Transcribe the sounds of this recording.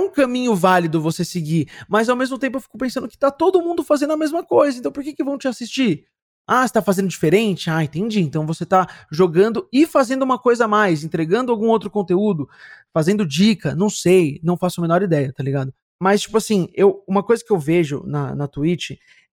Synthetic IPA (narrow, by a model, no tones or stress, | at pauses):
ɛũkɐ̃mĩɲʊvalid̪ʊvosesɪɡimɐzawmezmʊt̪ẽp̬ʊewfi̥kʊpẽsɐ̃d̪ʊkɪ̥t̪at̪od̪ʊmũnd̪ʊfazẽnd̪ʊɐamezmɐkojzɐẽt̪ɐ̃w̃poɾkekɪvɐ̃w̃t͡ʃɪasist͡ʃiɾ | ase̥t̪afazẽnd̪ʊd͡ʒifeɾẽt͡ʃɪaẽt̪ẽnd͡ʒiẽnt̪ɐ̃w̃voset̪aʒoɡɐ̃nd̪ʊɪfazẽnd̪ʊũmɐkojzɐmajzẽnt̪ɾeɡɐ̃nd̪ʊawɡũowt̪ɾʊkõnt̪eud̪ʊfazẽnd̪ʊd͡ʒikɐnɐ̃w̃sejnɐ̃w̃fasʊɐmẽnɔɾid̪ɛjɐt̪aliɡad̪ʊ | mɐst͡ʃi̥pʊasĩewũmɐkojzɐkɪewveʒʊ̰nɐ̰nɐt̪uit͡ʃɪ